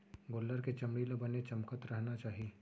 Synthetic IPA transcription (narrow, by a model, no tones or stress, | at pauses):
ɡoːlːəɾket͡ʃɐmɽiːlabɐnet͡ʃɐmkət̪ɾɐɦnat͡ʃaːɦieː